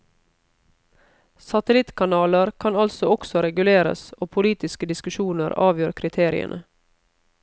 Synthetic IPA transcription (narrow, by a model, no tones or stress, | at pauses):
sɑt̪əlɪt̪kʰɑnɑːləɾkʰɑnɑlsɔɔksɔɾɛɡʉleːɾə̰soːpʰʊliːt̪ɪskəd̪ɪskʉʃuːnəɾɑːʋjøːɾkʰɾɪt̪ʰeːɾɪ̰ə̰nʔə